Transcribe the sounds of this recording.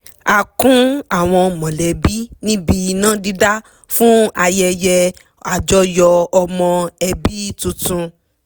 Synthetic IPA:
a˨kũ˦a˦˨w̃ɔ̃˧mɔ̃˨lɛ˨bi˦nĩ˦bi˧˨˧nã˦di˨˦da˦ | fũ˦a˧jɛ˧jɛ˧ | a˨d͡ʒɔ˦jɔ˧ɔ˧mɔ̃˧ɛ˧bi˦tũ˧tũ˧

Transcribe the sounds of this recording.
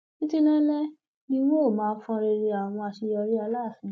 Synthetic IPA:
ki˦ti˦nã˦lɛ˦ | nĩ˧˦mo˦˨mãː˨˦˧fɔ̃˦˧˦ɾe˧ɾe˧a˨ɔ̃˨˧wɔ̃˧a˧ʃi˧jɔ˧ɾi˦a˧la˦˨fĩ˨˧

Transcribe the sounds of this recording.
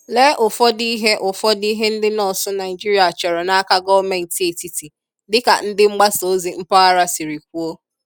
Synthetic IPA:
le˦ʔʊ˨fɔ˦di˦ɦe˦ʔʊ˨fɔ˦di˦ɦe˦n̩˦dɪ˦nɔ˨sʊ˦na˨ɪ˨d͡ʒi˦ɾi˦a˨a˨t͡ʃɔ˨ɾɔ˨na˦a˦ka˦ɡɔ˦me˨n̩˨te˨ti˨ti˨ | dɪ˦ka̰˨n̩˦dɪ˦ŋ͡m̩˦ɡ͡ba˦so˦zi˨ŋ͡m̩˦pa˦a˦ɾa˦si˨ɾi˨k̚ʷu˦o˦

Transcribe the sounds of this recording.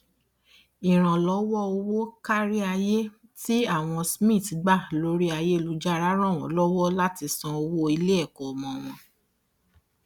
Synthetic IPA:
i˨ɾ̃ã˨lɔ˨˦wɔ˦o˧wo˦ka˦ɾi˦a˧je˦ | ti˦a˦˨w̃ɔ̃˧smĩ˦˨ti˨˦ɡ͡ba˦˨lo˨˦ɾi˦a˧je˦˧lu˦d͡ʒa˦ɾa˨˦ɾ̃ã˦˨w̃ɔ̰̃˨˦lɔ˦wɔ˦la˦ti˧sã˧o˧wo˦i˧le˦ɛ˦˨kɔ˨mɔ̃˨w̃ɔ̃˧

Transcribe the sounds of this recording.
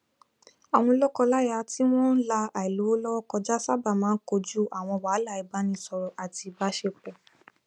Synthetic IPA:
a˨w̃ɔ̃˧lɔ˦kɔ˧la˦ja˧ti˦w̃ɔ̃˦n̩˦la˧a˨i˨lo˨˦lɔ˦kɔ˧d͡ʒa˦sa˦ba˦˨mãː˨˦n̩˦ko˧d͡ʒu˦ʔa˨w̃ɔ̃˧wa˨˦la˦˨i˨˧ba˦nĩ˦˨sɔ˧ɾɔ˧ʔa˨ti˧ba˦ʃe˧k͡pɛ˨

